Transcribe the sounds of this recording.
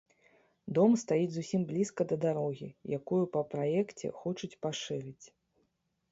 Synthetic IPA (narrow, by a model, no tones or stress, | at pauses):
d̪ɔmst̪ajid͡zʲzusʲimblʲiskɐd̪ɐd̪aɾɔɣʲḭjakujupɐpɾajɛkt͡sʲɛ̰xɔt͡ʂut͡sʲpaʂɨɾɨt͡sʲ